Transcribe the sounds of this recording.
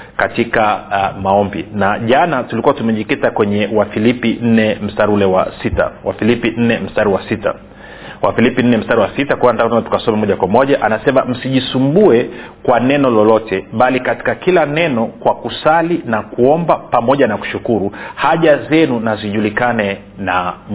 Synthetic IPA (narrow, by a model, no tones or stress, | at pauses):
katikamaɔmbinaʄanatulikuatumɛʄikitakwɛɲɛwafilipin̩nɛm̩staɾulɛwa̰sita̰wa̰filipin̩nɛm̩staɾiwasita̰ | wʔafilipin̩nɛm̩staɾiwasitakuwanantaknaatu̥kasɔmɛmɔʄakwamɔʄaʔanasɛmam̩siʄisumbuɛ | kwanɛnɔlɔlɔtɛɓalikati̥kakilanɛnɔkwakusalinakuɔmbapamɔʄanaku̥ʃukuɾuhaʄazɛnunaziʄulikanɛ | na